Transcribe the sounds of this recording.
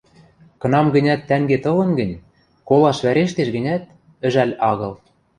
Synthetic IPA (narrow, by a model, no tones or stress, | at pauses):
kɤ̆nɑmɡə̆nʲæt̪ːæŋɡet̪ɤ̆lɤ̆nɡə̆nʲ | kolɑʃβæɾeʃt̪eʃɡɘ̆nʲæt̪̚ | ɘ̆ʒælʲɑɣɤ̆lˠ